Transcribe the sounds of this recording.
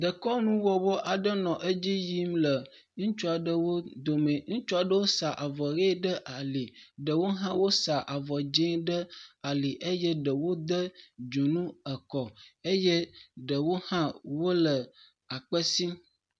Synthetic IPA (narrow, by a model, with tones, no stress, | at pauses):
d̪ə˨kɔ˦nũ˦wɔ˨wɔ˦ʔa˨ɖə˦nɔ̃˨ʔe˦d͡ʑi˦ji˦mlə˨ | ŋũ˦t͡ʃu˦a˨ɖə˦wo˦d̪o˨me˨ŋũ˦t͡ʃu˦a˨ɖə˦wo˦sa˨ʔa˨vɔ˨ɾe˦ɖə˦ʔa˨li˨ɖə˨wo˦ɦã˦wo˦sa˨ʔa˨vɔ˨d͡ʒɛ̃˦ɖə˦a˨li˨ʔe˦jɛ˦ɖə˨wo˦d̪ə˦d͡ʒu˨nũ˦ə˨kɔ˨e˦je˦ɖə˨wo˦hã˦wo˦lə˨ | a˨k͡pə˦si˦m